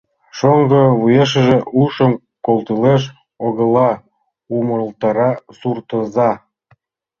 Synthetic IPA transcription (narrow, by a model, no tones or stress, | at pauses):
ʃoŋɡəβujeʃ̬əʒeʔuʃəm | kolt̪ileʃ̬ | oɣə̆lɑ | uməlt̪ɑɾɑsurt̪ə̆zɑ